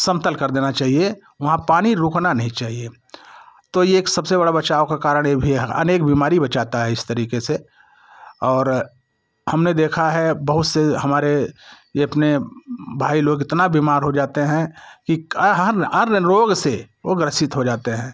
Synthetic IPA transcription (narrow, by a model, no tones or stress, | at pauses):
sɐ̃mt̪əlkɐɾd̪eːnat͡ʃaːɦie | ʋɐɦãpaːñiɾʊknanɐɦĩt͡ʃaːɦie | t̪ojeːksɐbsebɐɽabɐt͡ʃaːokakaːɾəɽ̃jebʱiɐ̰neːk̚biːmaːɾibɐt͡ʃaːt̪aɦɛɪst̪ɐɾiːkese | ɔːɾ | hɐmned̪eːkʰaɦɛbɐɦʊt̪seɦɐmaːɾe | jeɐpnebʱaːiloːɡɪt̪nabiːmaːɾɦod͡ʒaːt̪eɦɛ̃kiɦɐɾɐɾɾoːɡse | ʋoɡɾəsɪt̪ɦod͡ʒaːt̪eɦɛ̃ː